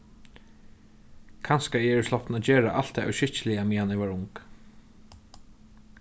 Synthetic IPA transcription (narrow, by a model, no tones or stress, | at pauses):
kʰanskaɛɛslɔpt̪nad͡ʒɛːɹa̰ʔa̰l̥t̪ʰaœ̰wʃɪht͡ʃlɪjamiːhanɪʋaɹʊŋk